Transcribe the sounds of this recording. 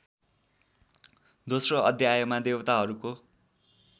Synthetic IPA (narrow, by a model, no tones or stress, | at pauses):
d̪osroʌd̪ʱjajomad̪ewʌt̪aɦʌɾuko